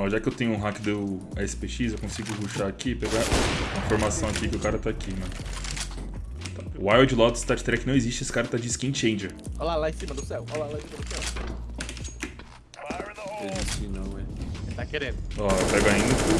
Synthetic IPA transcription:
ɐ̃w̃ʒakɪewt̪ẽɲʊũɦakɪd̪uɛsɪ̥peʃizewkõsiɡʊkuʃaakipeɡaĩfoɾmasɐ̃w̃akikɪʊkaɾɐt̪aakʰinɐ̃ | wajwd͡ʒɪlɔd̪ɪ̥st̪aɾd͡ʒɪ̥t̪ɾɛkɪnɐ̃w̃ezist͡ʃɪesɪ̥kaɾɐt̪ad͡ʒɪskĩt͡ʃẽj̃d͡ʒeɾolalaẽsĩmɐd̪ʊsɛwolaolãsimɐd̪ʊsɛw | ezist͡ʃinɐ̃w̃ɛ̃t̪akeɾẽd̪ʊɔpɛɡaĩ

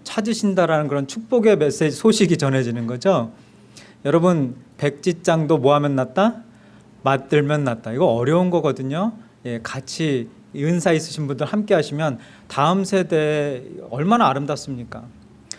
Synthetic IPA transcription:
t͡ɕʰad͡ʑiɕʰindaɾanɯnkɯɾʌnt͡ɕʰuk̚p͈oɡe̞mes͈ed͡ʑisʰoɕʰiɡit͡ɕʌnɦe̞d͡ʑinɯnɡʌd͡ʑo | jʌɾʌbɯnpe̞k̚t͡ɕ͈it̚t͡ɕ͈aŋdomoɦamjʌnːat̚t͈a | mat̚t͈ɯɭmjʌnːat̚t͈aiɡʌʌɾjʌunɡʌɡʌdɯɲo | je̞kat͡ɕʰi | ɯnsʰais͈ɯɕʰinbundɯɭhamk͈eɦaɕʰimjʌn | taɯmsʰe̞de̞ʌɭmanaːɾɯmdas͈ɯmɲik͈a

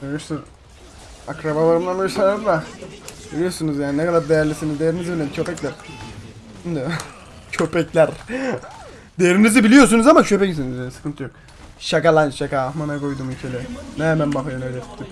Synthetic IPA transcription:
øjʲyɾsunz | akɾabalˠaɾɯmlˠanøsalaɾd̪abilʲijo̞ɾsunuzjaːninɛkad̪aɾd̪ejæɾlʲisinizd̪ejeɾinizibilʲed̪it͡ʃʰøpɛclʲæɾ | nd̪ɛ | t͡ʃʰøpɛclʲæɾ | d̪ejeɾinizibilʲijo̞sunuzamat͡ʃʰøpɛcisinizjanisɯ̥kʰɯnt̪ʰjok | ʃakalˠanʃakaːxmanakojd̪umicʰelʲɛnɛmænbafaɾɯnabilʲɛt̪i̥pt̪ːim

